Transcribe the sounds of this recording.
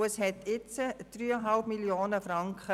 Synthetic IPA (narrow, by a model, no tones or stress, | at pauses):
əshɛtʰɪt͡səd̥ryːəɦɑlpmiljoːnəfɾɑŋkχə